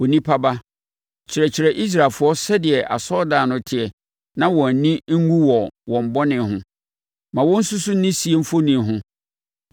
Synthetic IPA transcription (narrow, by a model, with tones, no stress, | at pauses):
wo˨nĩ˦pʰa˦ba˦ | t͡ɕʰɪ˨ɾɛ˨t͡ɕʰɪ˨ɾɛ˨ʔi˦s̬ɾa˨lfʊ˦ɔ˦sɛ˦dɪ˨ɛ˨ʔa̰˨sɔ˦daː˨nʊ̃˨tʰɪ˨ɛ˨ | nã˦wɔ̃˨n̩˨nĩ˦ŋ̩˦ŋũ˦wɔ˨wɔ̃˨m̩˨bɔ˦nɪ̃˨ɦʊ̃˦ | mã˨wɔ̃˦n̩˦sʊ˦sʊ˦n̩˦nĩ˦si˨e˦m̩˦fo˦nĩ˨ɦʊ̃˦